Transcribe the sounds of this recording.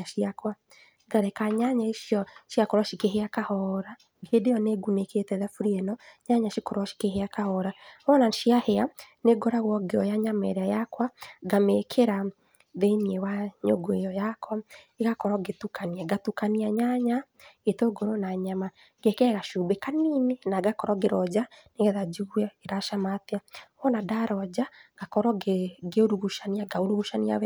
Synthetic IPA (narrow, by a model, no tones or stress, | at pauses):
aʃiakwa | ɡaɾɛkaɲaɲaeʃiɔʃiakɔɾwaʃikeɦeakahɔɾa | kʰedejɔneɡuneketɛðafuɾiɛnɔɲaɲaʃikɔɾwaʃi̥keheakahɔɾamɔnaʃiaheaneɡɔɾaɣwɔɡeɔjaɲamɛɾeajakwaɡamekʰeɾa | ðeniewaɲo̰ɡoejɔjakwaeɣakɔɾɔɡetukaniaɡatukaniaɲaɲa | etoɡoɾonaɲama | ɡekɛɣaʃubekaninenaɡakɔɾɔɡeɾɔd͡ʒaneɣɛðad͡ʒuɣwɛeɾaʃamateaɔnadaɾɔd͡ʑaɡ̥akɔɾɔɡeoɾuɣuʃaniaɡaoɾuɣuʃania̰wɛ